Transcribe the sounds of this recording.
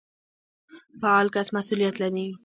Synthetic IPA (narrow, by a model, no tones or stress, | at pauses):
faʕalkasmasulɪjat̪lani